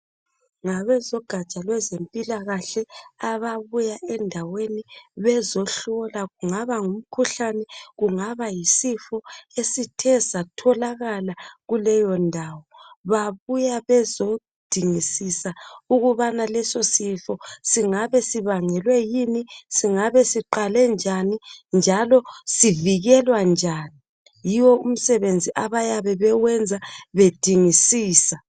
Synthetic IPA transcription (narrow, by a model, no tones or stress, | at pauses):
ŋaβɛzɔɡ̥ʱat͡ʃʼalwɛzempʼilaɣaɬɛaβaβujaʔɛndʱaweniβɛzɔɬɔlaɣuŋaβaŋum̩kʰuɬanɛɣuŋaβajisifɔesitʰɛsatʰɔlaɣalaɣulɛjɔndʱaːwɔβaβujaβɛzo | d̥ʱiŋisisauɣuβanalɛsosifɔsiŋaβɛsiβaŋɛlwɛjinisiŋaβɛsiǃalɛnd͡ʒʱanind͡ʒʱalɔsiviɣɛlwand͡ʒʱani | jiwɔum̩sɛβend͡zʱiʔaβajaβɛβɛwɛnd͡zʱaβed̥ʱiŋisiːsa